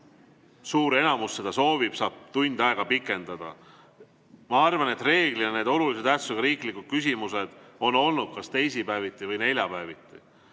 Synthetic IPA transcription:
suːɾe̞nɑmusːe̞d̪̥ɑso̞ːvib̥sɑːb̥̚t̪unʲd̪ɑeɡ̥ɑpikːˑe̞nd̪̥ɑd̪̥ɑ̰ | mɑɑrvɑne̞t̪ːˑre̞ːɡ̥liɑne̞ːd̪o̞lulis̬e̞d̪̥æsuɡ̥ɑɾiːklikːud̪̥̚kysʲimuse̞d̪̥o̞no̞lnud̪̥̚kɑst̪e̞jsipæevit̪ˑːivɯjne̞lʲjɑpæevit̪ˑːi

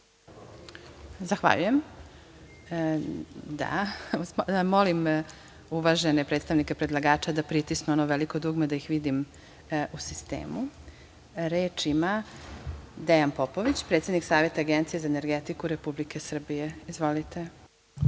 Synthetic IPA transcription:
zaxʋa̰ʎuje̞m | d̪a̰ | molim | uʋaʒe̞nepɾeːt̪st̪aʋnike̞pɾed̪lˠaɡaːt͡ʃad̪apɾit̪isnuonoʋelikod̪uɡmed̪aixʋid̪im | usist̪ḛːmu | ɾeːt͡ʃima | d̪ejanpopo̞ʋit͡ɕpɾet̪sʲed̪niksaːʋe̞t̪aːɡent̪sije̞zaeneɾɡet̪ikuɾe̞publikesr̩bije̞izʋo̞lit̪e̞

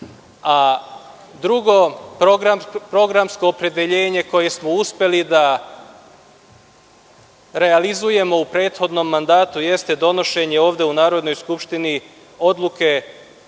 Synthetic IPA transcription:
a | d̪ɾuɡo̞pɾoɡɾapɾo̞ɡɾamsko̞ːpɾe̞d̪e̞ʎe̞ːɲe̞ko̞je̞smo̞uspʲje̞lid̪a | ɾe̞alizuje̞mo̞upɾe̞ːt̪xo̞d̪no̞mːand̪aːt̪uje̞st̪e̞d̪o̞no̞ʃe̞ɲe̞o̞ːʋd̪e̞unaːɾo̞d̪no̞jskupʃt̪ini | o̞d̪lˠuke̞

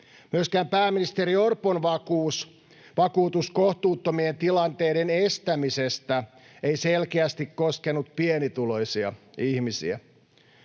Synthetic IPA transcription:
myøskæːmpæːminist̪e̞ɾio̞rponʋɑkuːs | ʋɑkuːt̪usko̞ht̪uːt̪ːomient̪ilɑnt̪e̞ːde̞ne̞st̪æmisest̪æ | ejse̞lkeæst̪ikkːo̞skenut̪pienit̪ulo̞jsiɑ̰ihmisḭæ̰

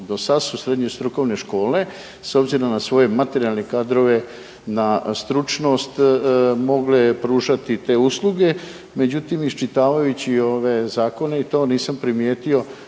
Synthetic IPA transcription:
d̪o̞sad̪susɾe̞d̪ɲe̞st̪ɾuko̞ʋne̞ʃko̞ːle̞ | so̞bziɾonasʋo̞je̞mat̪e̞ɾialˠne̞kaːd̪ɾo̞ʋe̞ | nast̪ɾut͡ʃno̞ːst̪mo̞ɡlepɾuːʒat̪it̪e̞ːuslˠuɡe̞ | me̞d͡ʑut̪imist͡ʃit̪aːʋajut͡ɕioʋe̞zaːko̞ne̞it̪o̞ːniːsampɾimjeːt̪io̞

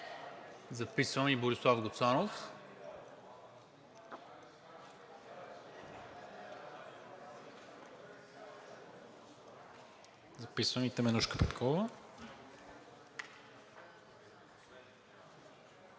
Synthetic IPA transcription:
zɐpisvəmiboɾislˠafɡot̪sanof | zɐpisvəmit̪ɛmɛnuʃkə̥pɛt̪kʰɔvə

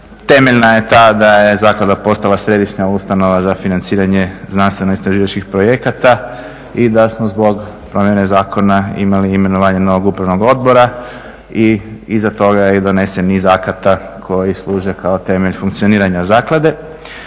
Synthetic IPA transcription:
t̪e̞meʎnaje̞t̪ad̪ajezaːklad̪apo̞st̪alasɾe̞d̪iʃɲaust̪ano̞ʋazafinant̪siːɾaɲe̞znanst̪ʋe̞noɡist̪ɾaʒiːʋat͡ʃkixpɾo̞je̞kat̪a | id̪asmozbo̞ɡ | pɾo̞mjene̞zaːko̞naḭmaliːme̞noʋaːɲeno̞ʋo̞ɡupɾaʋno̞ɡo̞d̪̚bo̞ɾa | iizat̪o̞ɡaid̪o̞ne̞senizakat̪a | kʰo̞jislˠuːʒekaot̪e̞meʎfuŋkt̪sio̞niːɾaɲazaːklˠad̪e̞

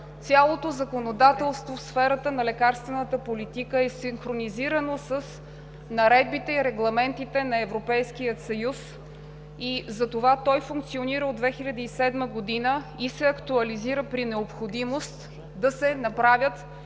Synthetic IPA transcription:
t̪sʲjalˠot̪ozɐkonod̪at̪ɛlˠst̪vofsfɛɾət̪ənɐlɛkaɾst̪vɛnət̪əpolit̪ikəɛsiŋxɾoniziɾənosəs | nɐɾɛd̪̚bit̪ɛiɾɛɡlˠɐmɛnt̪it̪ɛnɐɛvɾopɛjskijət̪sɐjus | izɐt̪ovat̪ɔjfuŋk̚t̪sioniɾəod̪vɛxilʲɐd̪iːsɛd̪məɡod̪inəisɛɐkt̪uɐliziɾəpɾinɛopxod̪imost̪ | d̪ɐsɛnɐpɾavʲjət̪

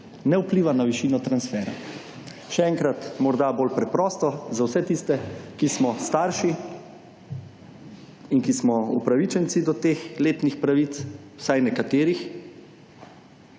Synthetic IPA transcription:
nɛupliːʋanaʋiʃiːnɔt̪ɾansfɛːɾa̰ | ʃɛɛŋkɾat̪mɔɾd̪abolpɾɛpɾɔːst̪ɔzawsɛt̪ist̪ɛkismɔst̪aɾʃi | inkismɔṵpɾaʋit͡ʃɛnt̪sid̪ɔt̪eːxleːt̪nixpɾaʋit̪sw̥sajnɛkat̪eːɾix

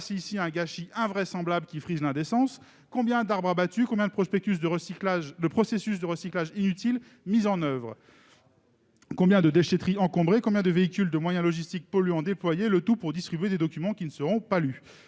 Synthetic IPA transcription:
siːsiɛ̃ɡaʃiʔɛ̃vʁɛsɑ̃blablkʲifχizlɛ̃d̪esɑ̃s | kɔ̃bjɛ̃d̪aʁbʁabat̪ykɔ̃bjɛ̃d̪əpχɔspɛk̚t̪ys̬d̪əklaʒd̪əpχɔsesys̬d̪əʁəsiklaʒinyt̪il | mizɑ̃nœvʁ | kɔ̃bjɛ̃d̪əd̪eʃet̪χiɑ̃kɔ̃bʁekɔ̃bjɛ̃d̪əveikʲyld̪əmwajɛ̃lɔʒist̪ik̚pɔlyɔ̃d̪eplwajelət̪upuʁd̪ist̪χibɥed̪ed̪ɔkʲymɑ̃kʲinəsəʁɔ̃paly

